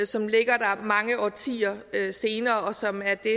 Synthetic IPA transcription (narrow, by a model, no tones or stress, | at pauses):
sɒ̽mle̝ɡ̥ɐd̥ɑmɑ̈ŋəʔɒːt͡sʰḭːɐøse̝ːnɐːɒ̽sɒ̽mæɐd̥e̝